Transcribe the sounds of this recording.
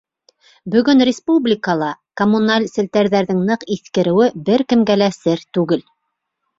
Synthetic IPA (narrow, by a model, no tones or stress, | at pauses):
bɵ̆ɡɵnrʲɪspublʲɪkəlˠɑkomunalʲsɘ̆lt̪æɾðæɾðɘŋnɤqiθkɘ̆ɾɘ̆wɘbɘɾkɘ̆mɡælæsɘɾt̪ʉɡɘl